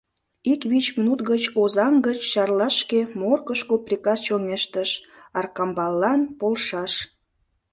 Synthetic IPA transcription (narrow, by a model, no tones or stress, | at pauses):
ikβit͡ɕminut̪ɡət͡ɕozɑŋɡət͡ɕːɑrlɑʃkemorkəʃkoprʲikɑst͡ɕoŋeʃt̪əʃ | ɑrkɑmbɑlːɑnpolʃɑʃ